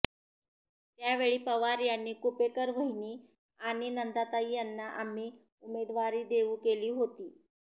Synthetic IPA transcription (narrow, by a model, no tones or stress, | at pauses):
t̪jaʋeɭiːpəʋaɾjanːiːkupekəɾʋ̤əɦiniː | aɽ̃inənd̪at̪aijanːaʔam̤iː | umed̪ʋaɾiːd̪eʋũːkeliːɦot̪iː